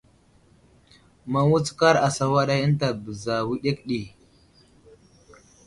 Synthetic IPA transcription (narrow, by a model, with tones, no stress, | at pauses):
ma˦wu˦t͡ska˦ɾa˨sa˦wa˦ɗa˦jə˦nta˨bə˨za˨wi˦ɗe˦kɗi˨